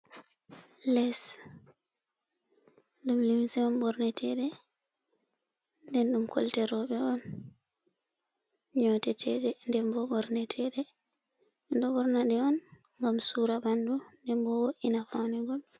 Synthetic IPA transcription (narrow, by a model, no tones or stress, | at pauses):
lɛs | ɗumlimsɛmambɔɾnɛtʰɛɗɛ | ndɛnɗumkʰɔ̰ltɛɾɔɓɛɔn | ɲɔtɛtʰɛ̰ɗɛndɛmbɔbɔɾnɛtʰɛɗɛ | ndɔɓɔɾnaɗɛɔn | ŋɡamsuːɾabandundɛmbɔwoʔinafawnɛɡɔɓɛ